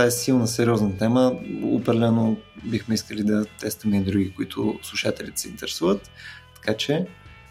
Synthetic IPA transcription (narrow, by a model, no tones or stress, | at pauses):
t̪vaɛsilˠnəsɛɾiɔznət̪ɛməo̰pɾɐd̪ɛlɛnobixmɛiskəlʲid̪ɐt̪ɛst̪əmɛid̪ɾuɡikʊit̪ʰʊ̰slˠuʃat̪ɛlʲit̪ɛ̥sɛint̪ɛɾɛsuvət̪ː | ɐ̥kat͡ʃɛ